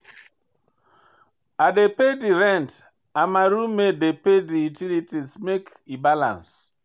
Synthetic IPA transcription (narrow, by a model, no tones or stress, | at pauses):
adepediɾɛ̃nt | amaɾumedepediutilitismek | ibalã̰ns